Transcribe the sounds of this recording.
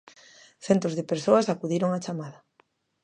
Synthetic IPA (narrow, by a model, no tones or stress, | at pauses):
θɛnt̪ozðɪpeɾsoasakuðiɾoŋat͡ʃamaðɐ